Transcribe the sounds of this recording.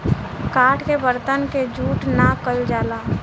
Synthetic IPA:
kaːʈʰkebəɾt̪ənked͡ʒuːʈnakəld͡ʒaːlaː

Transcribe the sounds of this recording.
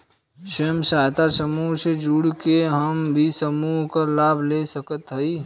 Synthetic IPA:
ʃəmsaːjt̪asəmuːɦsed͡ʒuːɽkeɦəmbʱisəmuːɦkalaːbʱlesəkət̪ɦəi

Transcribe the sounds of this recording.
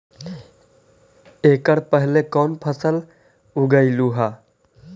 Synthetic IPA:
eːkəɽpəɦlekɔːnpʰəsəl | ʊɡəiluɦaː

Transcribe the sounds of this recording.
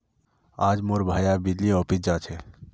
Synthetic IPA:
aːd͡ʒmoːɾbʱaːjabɪd͡ʒliɔːpɪsd͡ʒaːt͡ʃʰe

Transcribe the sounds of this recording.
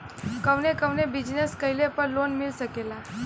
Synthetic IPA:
kəʋnekəʋnebɪd͡ʒneskəilepəɾlonmɪlsəkela

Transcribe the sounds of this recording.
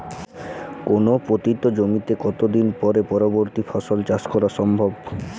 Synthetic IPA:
konopɾot̪it̪od͡ʑomit̪ekɔt̪od̪inpɔɾepɔɾoboɾt̪ifʰɔʃolt͡ɕaskɔɾaʃɔmbʱob

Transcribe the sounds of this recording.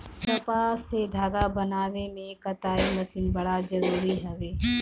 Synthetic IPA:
tɐpassed̪ʱaːɡabɐnaːʋemẽkɐt̪aːimɐsiːnbɐɽad͡ʒɐɾuːɾiɦɐʋeː

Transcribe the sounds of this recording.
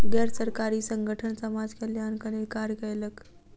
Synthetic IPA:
ɡɛɾsəɾkaɾiːsəŋɡʱəʈʰənsəmad͡zkəljankəɾelkaɾjəkəjlək

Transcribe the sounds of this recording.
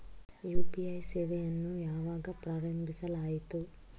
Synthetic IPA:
juːpiɐjseːʋejɐnːujaːʋaːɡapɾaːɾɐmbʱisɐlaːjit̪u

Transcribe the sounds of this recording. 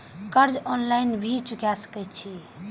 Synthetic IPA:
kəɾd͡ʒɔnlajnbʱit͡ʃukjasə̥kɛt͡ʃʰi

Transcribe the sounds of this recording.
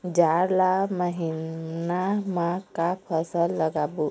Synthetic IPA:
d͡ʒaɾlaməɦinamãkapʰəsəlːəɡabu

